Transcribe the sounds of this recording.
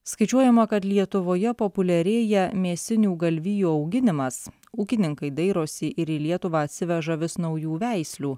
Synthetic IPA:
skɐɪt͡ʃʲuɔjɛmɐkɐt̪lʲiɛt̪ʊʋoːjɛpopʊlʲɛɾʲeːjɛmʲeːsʲɪnʲuːɡɐlʲʋʲɪjuːɒʊɡʲɪnʲɪmɐs | uːkʲɪnʲɪŋkɐɪd̪ɐɪɾoːsʲɪʔɪɾiːlʲiɛt̪ʊʋɑːɐt̪ʲsʲɪʋʲɛʒɐʋʲɪsnɒʊjuːʋʲæˑɪsʲlʲuː

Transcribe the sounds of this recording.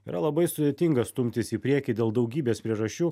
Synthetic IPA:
ḭːɾʔɐlˠɐbɐɪsʊd̪ʲeːt̪ʲɪŋɡɐst̪ʊmʲt̪ʲɪsiːpʲɾʲiɛkʲid̪ʲeːlˠd̪ɐʊɡʲiːbʲeːspʲɾʲiɛʒɐʃʲt͡ʃʲuː

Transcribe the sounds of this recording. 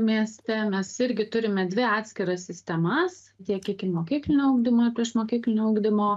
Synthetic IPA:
mʲiɛsʲt̪ʲɛmʲɛsɪɾʲɡʲɪt̪ʊɾʲɪmʲɛd̪ʲʋʲɪɑːt̪ʲsʲkʲɪɾɐsʲsʲɪsʲt̪ʲɛmɐs | t̪ʲiɛkʲikʲɪmoːkʲiːklʲɪnʲoːuʊːɡd̪ʲɪmoːpʲɾʲiɛʃmoːkʲiːklʲɪnʲouːɡd̪ʲɪmoː

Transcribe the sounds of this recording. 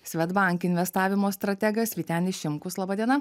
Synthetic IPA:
sʲʋʲɛt̪bɑˑŋʲkɪnʲʋʲɛst̪ɑːʋʲɪmoːst̪ɾɐt̪ʲɛɡɐsʋʲiːt̪ʲɛnɪʃʲɪmkʊslˠɑːbɑːd̪ʲiɛnɐ

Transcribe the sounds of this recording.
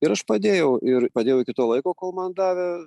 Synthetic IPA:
ɪɾɐʃpɐd̪ʲeːjɛʊɪɾpɐd̪ʲeːjɛʊkʲɪt̪oːlˠɐɪkoːkoːlˠmɐnd̪ɑːʋʲɛ

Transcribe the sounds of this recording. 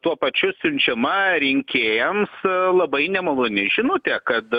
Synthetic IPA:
t̪uɔpɐt͡ʃʲʊsʲʊnʲt͡ʃʲɛmɐɾʲɪŋʲkʲeːjɛmslˠɐbɐɪnʲɛmɐlˠʊnʲɪʒʲɪnoːt̪ʲɛkɐt̪

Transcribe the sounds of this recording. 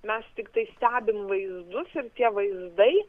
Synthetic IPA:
mʲɛst̪ʲɪkt̪ɐɪsʲt̪ʲæːbʲɪmʋɐɪzd̪ʊsɪɾt̪ʲiɛʋɐɪzd̪ɐɪ

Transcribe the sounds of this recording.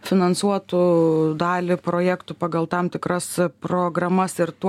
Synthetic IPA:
fʲɪnɐnsuɔt̪ʊd̪ɑːlʲɪpɾoːjækt̪ʊpɑːɡɐlˠt̪ɐmt̪ʲɪkɾɐspɾoːɡɾɐmɐsɪɾt̪u

